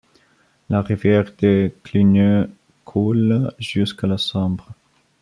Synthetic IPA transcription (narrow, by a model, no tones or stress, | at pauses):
laʁivjɛʁd̪̥eklinø | kʰulʒ̥yskalasɔ̃bʁə